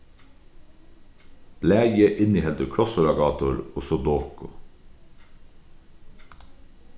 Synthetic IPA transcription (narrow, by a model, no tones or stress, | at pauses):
b̥læːjəʔɪniːhɛlt̪əkʰɽɔsʊɾɑɡɑːt̪ʊɾɔsɔd̪oːkʊ